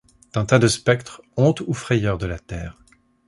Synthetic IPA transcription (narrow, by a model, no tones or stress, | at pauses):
d̪̥ɛ̃t̪ad̪əspɛkt̪χɔ̃t̪ufχɛjœʁd̪əlat̪ɛːʁ